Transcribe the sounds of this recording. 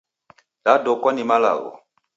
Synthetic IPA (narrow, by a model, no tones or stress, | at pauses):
dadɔkwanimala̰ɣɔ̰